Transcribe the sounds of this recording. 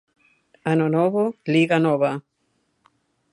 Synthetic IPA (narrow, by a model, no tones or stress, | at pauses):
anonoβoliɣanoβa